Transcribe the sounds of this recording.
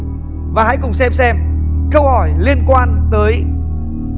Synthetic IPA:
vaː˨˩ɦa̰˧˥jkʊ˨˩ŋ͡msɛ˧msɛ˧mkə˧whɔ˧˩jli˧ənkwaː˧nt̪əː˨˦j

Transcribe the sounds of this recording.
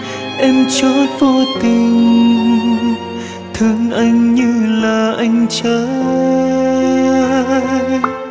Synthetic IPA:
ʔɛ˧mt͡ɕɔ˧˦jvo˧t̪i˨˩ŋ | t̪ʰɨ˨˩əŋʔa˧jŋ̟ɲɨ˧laː˨˩ʔa˧jŋ̟t͡ɕəː˨˦

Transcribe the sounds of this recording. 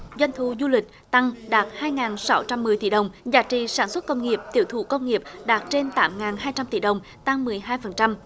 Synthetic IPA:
zwa˧jŋ̟t̪ʰu˨˩zu˧lï˨˩k̟̚t̪a˧ŋɗaː˨˩t̚haː˧jŋaː˨˩nsa˧˦wt͡ɕa˧mːɨ˨˩əjt̪i˧˩ɗə˨˩wŋ͡mzaː˧˩t͡ɕḭ˧˨saː˧˩nswə˦˥t̚kə˧wŋ͡mŋi˨˩əp̚t̪ḭ˧˩əwt̪ʰṵ˧˩kə˧wŋ͡mŋi˨˩əp̚ɗaː˨˩t̚t͡ɕe˧nt̪aː˨˦mŋaː˨˩nɦaː˧jt͡ɕa˧mt̪ḭ˧˩ɗə˨˩wŋ͡m | t̪a˧ŋmɨ˨˩əjɦaː˧jfə˨˩nt͡ɕa˧m

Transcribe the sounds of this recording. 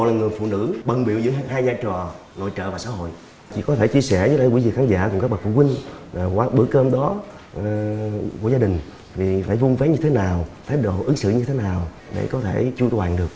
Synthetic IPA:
ɔ̰˨jlaː˨˩ŋɨ˨˩əjfṵ˧˨nɨ̰˧˥ɓə˨˩ŋɓḭ˨˧˨əwzɨ̰˧˥˧ɦaː˧jzaː˧t͡ɕɔ˨˩ | no̰˧˨jt͡ɕə̰ː˧˨vaː˨˩sa̰ː˧˦hɦo̰˧˨j | t͡ɕḭ˧˨kɔ˨˦t̪ʰe˧˩t͡ɕi˧əsɛ˧˩zlə˧jkwi˧˩vi˨˩kʰxaː˨˦ŋza̰ː˧˩kʊ˨˩ŋ͡ma˦˥k̚ɓə˨˩fṵ˧˩kwï˧ŋ̟ː˨˩kwaː˨˦ɓɨ˧˩˥kəː˧mɗɔ˨˦˨ | ku˧˩əzaː˧ɗï˨˩ŋ̟ | vi˨˩faː˧˩jvu˧nve˨˦˥ɲɨ˧t̪ʰe˨˦naː˨˩wt̪ʰaː˨˦jɗo̰˧˨ʔɨ˨˦ŋsɨ̰˧˨ɲɨ˧t̪ʰe˨˦naː˨˩w | ɗḛ˧˩kɔ˨˦t̪ʰe˧˩t͡ɕu˧t̪waː˨˩ŋɗɨ˨˩ək̚

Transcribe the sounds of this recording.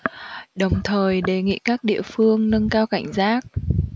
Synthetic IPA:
ɗə˨˩wŋ͡mt̪ʰəː˨˩jɗe˨˩ŋḭ˧˨kaː˦˥k̚ɗḭ˧˨əfɨ˧əŋnə˧nkaː˧wka̰˧˩jŋ̟zaː˦˥k̚

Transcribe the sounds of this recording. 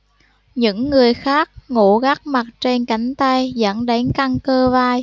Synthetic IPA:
ɲɨ̰˧˥ŋːɨ˨˩əjxaː˦˥k̚ŋṵ˧˩ɣa˦˥k̚ma˨˩t̚t͡ɕe˧nka˨˦jŋ̟t̪a˧jzə̰˧˥nɗa˨˦ŋka˧ŋkəː˧vaː˧j

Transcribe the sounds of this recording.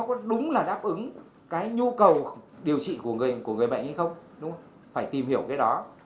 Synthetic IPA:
ɔ˨˦kɔ˨˦ɗʊ˨˦ŋ͡mlaː˨˩ɗaː˦˥p̚ʔɨ˨˦ŋ | kaː˨˦jɲu˧kə˨˩wɗi˨˩əwt͡ɕḭ˧˨ku˧˩əŋɨ˨˩əjku˧˩əŋɨ˨˩əjɓa̰˧˨ŋ̟ha˧jxə˧wŋ͡mɗʊ˨˦ŋ͡m | faː˧˩jt̪i˨˩mhi˧˩əwkaː˨˦jɗɔ˨˦

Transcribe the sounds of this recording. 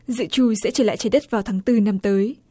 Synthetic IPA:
zɨ̰˧˨t͡ɕu˧˩sɛ̰˧˥t͡ɕəː˧˩la̰ː˧˨jt͡ɕəː˧˩jɗə˦˥t̚vaː˨˩wt̪ʰaː˨˦ŋt̪ɨ˧na˧mt̪əː˨˦j

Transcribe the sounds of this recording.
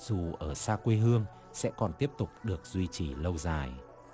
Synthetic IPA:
zu˨˩ʔəː˧˩saː˧kwe˧ɦɨ˧əŋ | sɛ̰˧˥kɔ˨˩nt̪i˦˥əp̚t̪ʊ˨˩k͡p̚ɗɨ˨˩ək̚z̥wi˧t͡ɕi˨˩lə˧wzaː˨˩j

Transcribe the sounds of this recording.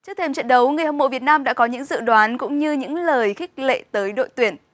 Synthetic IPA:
t͡ɕɨ˦˥ək̚t̪ʰe˧mt͡ɕə̰˧˨nɗə˨˦wŋɨ˨˩jhə˨˩ŋ͡mmo̰˧˨vi˨˩ət̚naː˧mɗa̰ː˧˥kɔ˨˦ɲɨ̰˧˥ŋzɨ̰˧˨ɗwaː˨˦nkʊ̰˧˥ŋ͡mɲɨ˧ɲɨ̰˧˥ŋləː˨˩jxi˦˥k̟̚lḛ˧˨t̪əː˨˦jɗo̰˧˨jt̪wi˨˩ən

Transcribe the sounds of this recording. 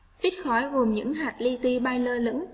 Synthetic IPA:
vi˦˥t̚xɔ˨˦jɣo˨˩mɲɨ̰˧˥ŋɦaː˨˩t̚li˧t̪i˧ɓaː˧jləː˧lɨ̰˧˥ŋ

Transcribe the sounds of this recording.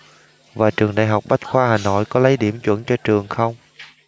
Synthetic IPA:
vaː˨˩t͡ɕɨ˨˩əŋna̰˧˨˩jɦa˨˩wk͡p̚ɓa˦˥t̚xwaː˧haː˨˩no̰˧˨jkɔ˨˦lə˨˦jɗi˧˩əmt͡ɕwə̰˧˥nt͡ɕɔ˧t͡ɕɨ˨˩əŋxə˧wŋ͡m

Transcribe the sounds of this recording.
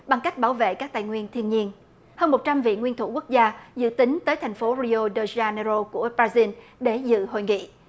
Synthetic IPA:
ɓa˨˩ŋka˦˥jk̟̚ɓaː˧˩wvḛ˧˨kaː˦˥k̚t̪a̰ː˧˨jŋwi˧ənt̪ʰi˧ənɲi˧ən | həː˧nmo˨˩t̚t͡ɕa˧mvḭ˧˨ŋwi˧ənt̪ʰṵ˧˩ku˦˥ək̚zaː˧zɨ̰˧˨t̪ï˨˦ŋ̟t̪əː˨˦jt̪ʰa˨˩jŋ̟fo˨˦ɾi˧o˧ɗə˧zaː˧nə˧zo˧ku˧˩əbaː˧zi˧ən | ɗe˧˩zɨ̰˧˨ɦo̰˧˨jŋḭ˧˨

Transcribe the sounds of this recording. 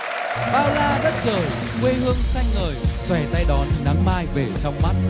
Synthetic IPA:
ɓaː˧wlaː˧zə˦˥t̚zəː˨˩j | kwe˧hɨ˧əŋsa˧jŋŋəː˨˩jswɛ˧˩t̪a˧jɗɔ˨˦nːa˨˦ŋmaː˧jve˨˩t͡ɕɔ˧wŋ͡mma˦˥t̚

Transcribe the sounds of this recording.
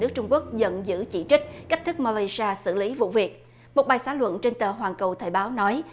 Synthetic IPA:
nɨ˦˥k̚t͡ɕʊ˧ŋ͡mku˦˥ək̚zə̰˧˨nzɨ̰˧˥t͡ɕḭ˧˥t͡ɕï˦˥k̟̚kk̟̚t̪ʰɨ˦˥k̚mɔ˧li˧jsaː˧sɨ̰˧˨li˨˦vṵ˧˨vi˨˩ək̚ | mo˨˩t̚ɓaː˨˩jsaː˨˦lwə̰˧˨nt͡ɕe˧nt̪əː˨˩ɦwaː˨˩ŋkə˨˩wt̪ʰəː˨˩jɓaː˨˦wnɔ˨˦j

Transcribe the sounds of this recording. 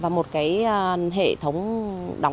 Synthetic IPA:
vaː˨˩mo˨˩t̚kaː˨˦jɦḛ˧˨t̪ʰə˨˦wŋ͡mɗa˨˦

